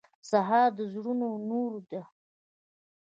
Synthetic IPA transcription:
saɦɑɾd̪əzɽunonoɾd̪a

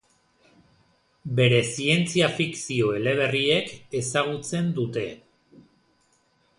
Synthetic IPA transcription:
be̞ɾe̞sie̞nt͡siafiksio̞e̞le̞β̞e̞rie̞ke̞saɣ̞ut͡se̞nd̪ut̪e̞

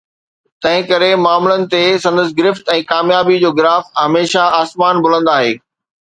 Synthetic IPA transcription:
t̪ɐ̃ɦɪ̃kɐɾemaːmlənɪ̆t̪esɐ̃nd̪əs̬ɪɡɪɾɪft̪ɛ̃ːkaːmjaːbid͡ʑoːɡɪɾaːfɦɐmeːʃaaːsmaːnbʊlə̃nd̪aːɦeː

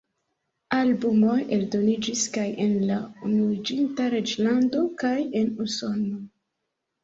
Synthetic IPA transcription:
albumo̞je̞ldo̞nid͡ʒiskaje̞nlaunuid͡ʒintaɾe̞d͡ʒlando̞kaje̞nuso̞no̞

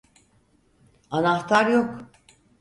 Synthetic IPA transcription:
anaht̪ʰaɾjokʰ

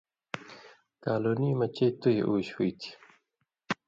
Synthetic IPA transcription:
kaːloːnimɐt͡ɕet̪ujḛʔuːɕwit̪ʰi̥

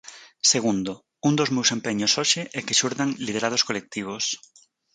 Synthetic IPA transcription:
seɣ̞und̪o | und̪ozmewsempeɲosoʃeʔɛkeʃuɾðaŋlið̞eɾað̞oskolek̚t̪iβ̞os

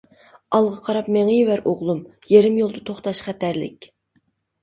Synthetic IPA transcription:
ɑlˠʁɑqʰɑɾɑpmeŋijwæɾʔoʁlˠumjeɾɪmjolˠd̪ɨt̪ʰoχt̪ɑʃχæt̪æɾlɪ̰kʲ

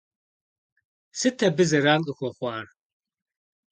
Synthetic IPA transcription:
sɨtʰɐbɨzɐɾaːlʼɨxʷɔχʷɑːr

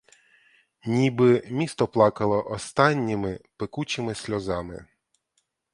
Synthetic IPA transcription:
nʲibɪmʲist̪ɔplˠɑkɐlˠɔʔɔst̪ɑnʲːimɪpɪkut͡ʃɪmɪsʲlʲɔzɑmɪ̰

